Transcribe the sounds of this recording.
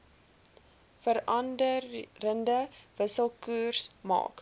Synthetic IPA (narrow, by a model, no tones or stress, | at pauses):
fəɾɐndəːəndəvəsəlˠkuːrsmɑ̰ːk